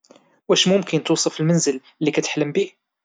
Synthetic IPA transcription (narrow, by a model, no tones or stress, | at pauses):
wæʃmʊmkənt̪uːsˤɨfɪlmænzɪl | lːikæt̪ħləmbiːh